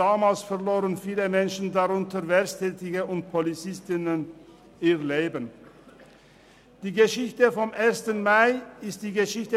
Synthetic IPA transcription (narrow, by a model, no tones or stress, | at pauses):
aːmaːlsfɛʁloːʁənfiːləmɛnʃn̩daʁʊntəvɛstʰɛːtɪɡəʔʊnt̚pʰolit͡sɪstɪnən | iːʁleːbən | d̥iːɡəʃɪçtəfɔmʔeːɐstənmaɪɪst̚d̥iːɡəʃɪçtə